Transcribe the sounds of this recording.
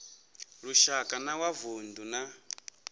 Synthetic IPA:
ɺuʃakʼanawavunduna

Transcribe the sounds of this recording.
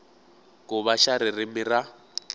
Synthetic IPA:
kʼʊβaʃaɾɪrɪmɪra

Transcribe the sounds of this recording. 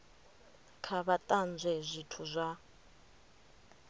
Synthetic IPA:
kʰaβatʼand͡zʱɛzʷitʰuzʷa

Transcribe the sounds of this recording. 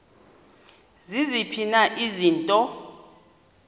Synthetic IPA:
zizipʰinaʔiziːntʼɔ

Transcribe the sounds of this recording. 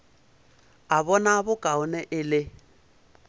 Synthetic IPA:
aβɔnabʊkʼaʊnɛʔɪlɪ

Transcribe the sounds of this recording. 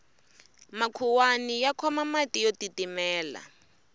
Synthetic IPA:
makʰuwanijakʰɔmamatijotitimɛːla̰

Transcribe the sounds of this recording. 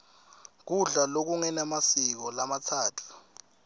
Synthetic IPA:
k̬uɮalok̬uŋɛnamasik̬ɔlamatʰaːtʰu̥

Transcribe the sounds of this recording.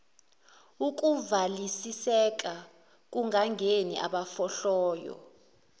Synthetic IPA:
uk̬ʼuvalisisɛk̬ʼa | k̬ʼuŋɡʱaŋɡʱeniʔa̰ɓafɔɬɔːjɔ̰

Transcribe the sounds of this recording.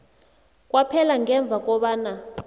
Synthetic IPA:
k̬ʼwapʰɛlaŋɛɱb̪vʱak̬ʼɔɓaːna

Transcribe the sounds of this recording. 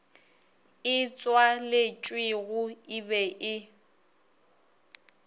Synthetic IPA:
ɪt͡sʼwalɪt͡ʃʼwɪɣʊibɛʔɪ

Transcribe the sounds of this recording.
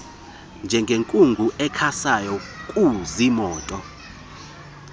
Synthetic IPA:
nd͡ʒʱɛŋɡʱeŋkʼuŋɡʱuʔɛkʰasajɔkʼuzimɔːtʼɔ

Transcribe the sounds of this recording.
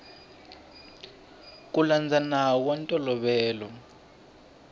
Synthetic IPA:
k̬ʼuland͡zʱanak̬wantʼɔlɔɓɛːlɔ

